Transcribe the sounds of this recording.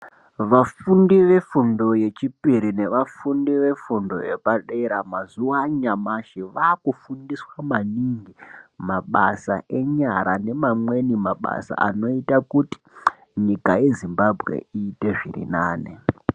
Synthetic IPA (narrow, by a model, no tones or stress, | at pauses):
ʋafundiʋe̞fundo̞je̞t͡ʃipiɾine̞ʋafundiʋe̞fundo̞̰e̞̰paɗeɾamazuwaɲamaʃiʋaːkufundiswamaniŋɡimaɓa̰sa̰ʔe̞ɲaɾane̞mamwe̞nimaɓa̰sa̰a̰no̞itakuti̥ | ɲikaje̞zimbabʱɣe̞̰iːte̞ʐḭrḭnaːnḛ